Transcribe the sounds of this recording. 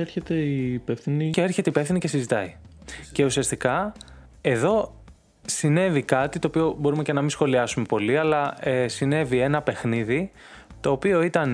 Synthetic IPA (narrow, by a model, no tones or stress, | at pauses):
eɾçet̪eipefθiniceeɾçe̞t̪e̞ipe̞fθinice̞sizit̪ɐice̞usiɐst̪ikɐ | e̞ðo̞ | sine̞vikɐt̪it̪o̞ːpio̞bo̞ɾume̞ce̞nɐmĩsxo̞liɐsume̞po̞liɐlɐesine̞vie̞nɐpe̞xniðit̪o̞ːpio̞it̪ɐn